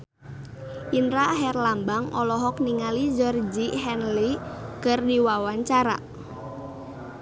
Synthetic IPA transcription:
ʔinɾaɦɛrlambaŋɔlɔɦɔkniŋalid͡ʒɔrd͡ʒiɦɛnlikərdiwawaɲt͡ʃaɾa̰

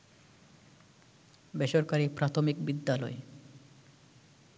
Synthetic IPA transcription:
beʃoɾkaɾipɾat̪ʰomikbid̪ːalɔ̰e

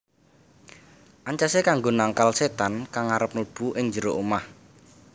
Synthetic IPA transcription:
ʔaɲt͡ʃasekaŋɡonaŋkalset̪ankaŋaɾəp̚ləb̥uʔɪŋd͡ʒəɾoʔumah

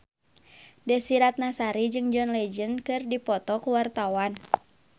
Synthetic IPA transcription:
dɛsiɾat̪̚nasaɾid͡ʒɨŋd͡ʒɔnlɛd͡ʒənkɨrdipɔt̪ɔkuwart̪awan

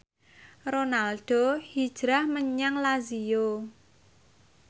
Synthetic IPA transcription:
ronalɖ̥o̤hid̥ʒ̥ɾahməɲaŋlazijo

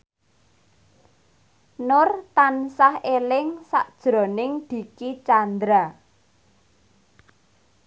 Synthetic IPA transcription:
nʊrt̪ansahelɪŋsaʔd̥ʒ̥ɾɔ̤nɪŋd̪̥i̤kit͡ʃand̪ɾa

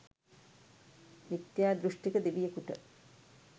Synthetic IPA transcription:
nit̪ːjaːd̪ɾuʂʈekəd̪ebijəkuʈə

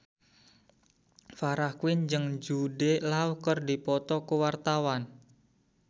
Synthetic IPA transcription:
faɾahkwɪnd͡ʒəŋd͡ʒuɖelauhkərdipɔt̪ɔkəwart̪awan

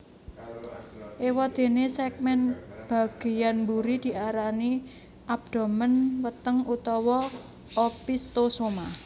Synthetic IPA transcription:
ʔewɔd̪̥e̤nesɛk̚mɛnb̥ä̤ɡ̥e̤janmbuɾid̪̥i̤ʔaɾani | ʔab̚d̪̥o̤mənwət̪əŋut̪ɔwɔ | opist̪osoma

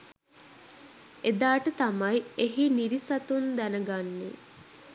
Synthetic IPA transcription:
ed̪aːʈət̪amɐjeɦiniɾisɐt̪und̪ænəɡanːḛ

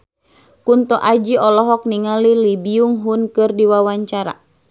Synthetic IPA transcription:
kunt̪ɔʔad͡ʒiɔlɔɦɔk̚niŋalilibiuŋɦunkɨrdiwawaɲt͡ʃaɾa̰

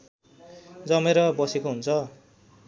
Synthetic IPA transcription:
d͡zʌmeɾʌbʌsekoɦunt͡sʰʌ

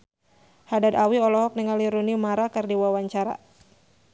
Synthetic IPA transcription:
hadadawiɔlɔɦɔk̚niŋaliɾunimaɾakɨrdiwawaɲt͡ʃaɾa̰

